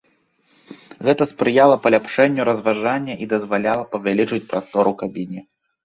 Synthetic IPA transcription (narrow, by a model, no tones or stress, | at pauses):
ɣɛt̪ɐspɾɨjalˠɐpɐlʲapʂɛnʲːuɾɐzvaʐanʲːɐʔid̪ɐzvalʲalˠɐpɐvʲalʲit͡ʂɨt͡sʲpɾast̪ɔɾukabʲinʲi